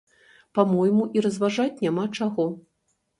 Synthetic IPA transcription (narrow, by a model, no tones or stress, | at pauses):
pamɔjmuʔiɾɐzvaʐat͡sʲnʲamat͡ʂaɣɔ